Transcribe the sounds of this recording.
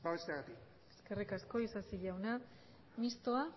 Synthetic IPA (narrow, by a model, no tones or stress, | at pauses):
baβest̪eaɣat̪ik | e̞ske̞rikasko̞isasiʎawna | mist̪o̞a